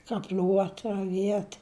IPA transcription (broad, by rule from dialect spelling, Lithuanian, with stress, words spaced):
kɐˈpʲlʲuɔt rɐˈʋʲiɛt